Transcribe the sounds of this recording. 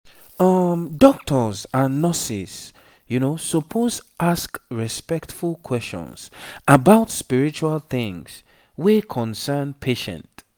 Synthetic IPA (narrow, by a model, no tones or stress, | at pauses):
ʌmdɔk̚tʰɔzanɔsis | junosɔpʰozʔaskɹispɛktfulˠkʰwɛst͡ʃɔ̰̃nsʔabaʊtspiɹit͡ʃualˠθɪ̃ŋz̥ | wikʰɔ̃nsɛnpʰeʃɛ̰̃nt